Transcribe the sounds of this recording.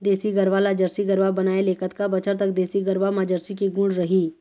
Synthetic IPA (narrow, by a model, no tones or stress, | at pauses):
d̪eːsiɡəɾʋalad͡ʒəɾsiɡəɾʋabɐnaːeleːkət̪kabət͡ʃəɾt̪əkd̪eːsiɡəɾʋamãd͡ʒəɾsikiɡʊ̃ɽɖɾəɦiː